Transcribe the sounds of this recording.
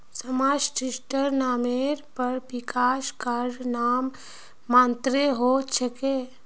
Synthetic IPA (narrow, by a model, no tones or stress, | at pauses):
səmaːd͡ʒʈɪsʈəɾnaːmeɾpəɾpɪkaːʃkaɾɾnaːmː | ãːnt̪ɾeɦot͡ʃʰəkeː